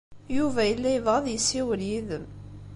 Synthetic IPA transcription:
juvæjəlːæjəvʁəðjəsːiwljiðəm

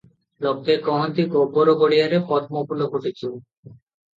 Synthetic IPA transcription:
lɔb̚t̪ekɔɦont̪ikoboɾoɡoɽijaɾepɔt̪mopulokoʈet͡ɕʰi

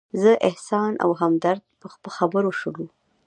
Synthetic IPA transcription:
zəʔɪhsɑnʔa̰wɦamd̪aɾd̪̚pəxpəlxabəɾoʃəlu

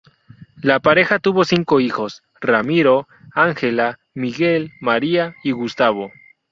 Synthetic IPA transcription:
lapaɾe̞xat̪uβo̞siŋko̞ixo̞s | ramiɾo | aŋxela | miɣelmaɾiaiɣust̪aβ̞o̞

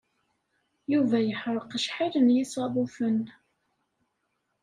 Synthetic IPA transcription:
juvæjəħɾˤəqəʃħiɾənjisˤɑðˤufən

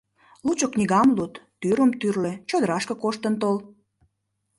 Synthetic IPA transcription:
lut͡ɕoknʲiɣɑmlut̪ːyɾəmt̪yrlet͡ɕod̪əɾɑʃkə̆koʃt̪ənt̪ol

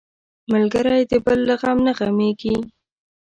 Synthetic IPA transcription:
malɡaɾajd̪əbəlːaɣamnaɣameɡi

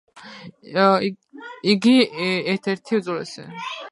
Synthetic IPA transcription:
iɡiɛɾt̪ʰɛɾt̪ʰiuzɔlɛ̰sɛ̰

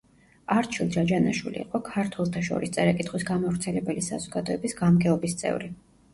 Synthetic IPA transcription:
aɾt͡ʃʰilˠd͡ʒad͡ʒanaʃwḭlḭḭqʼɔkʰaɾt̪ʰwɛlˠt̪ʰaʃɔ̰ɾist̪sʼɛɾɛkʼit̪χwisɡamavɾt̪sʰɛlɛbɛlisa̰zɔɡ̥ad̪ɔɛbisɡamɡɛɔbist̪sʼɛ̰vɾi

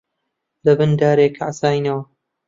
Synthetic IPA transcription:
lɐbɨnd̪aːɾeːkʰʕasaːjnɐwɐ

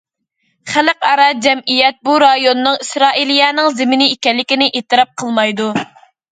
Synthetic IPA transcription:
χæləqɑɾɑd͡ʒɛmijɛt̪̚buɾɑjonːɨŋisɾɑːilijɑːnɨŋzɪmɪnɪikʲɛlːɪkʲinɪʔet̪ɨɾɑp̚qʰəlˠmɑjd̪u

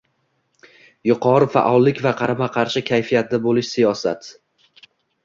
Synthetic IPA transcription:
jʊqʰɒɾɪfa̰ʔɒlˠːɪkʲvaqʰɑɾamaqʰɑɾʃɪkʲʰajfijat̪̚d̪abolɪʃsijɒsa̰t̪

